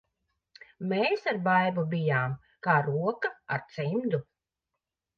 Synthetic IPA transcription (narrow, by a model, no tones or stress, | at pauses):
meːsaɾbajbubijaːm | kaːɾuɔkaa̰ɾt̪simd̪u